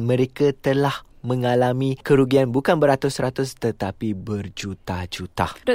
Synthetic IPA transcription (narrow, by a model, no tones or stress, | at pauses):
mə̃ɾekat̪əlahmə̃ŋalamĩkəɾuɡianbukanbəɾat̪ʊsɾat̪ʊst̪ət̪apibərd͡ʒut̪ad͡ʒut̪ad